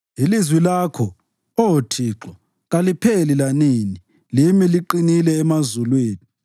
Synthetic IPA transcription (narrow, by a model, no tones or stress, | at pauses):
ilizwilakʰɔ | ɔtʰiːǁɔ | ɣalipʰelilanini | limiliǃinilɛːmazulweːni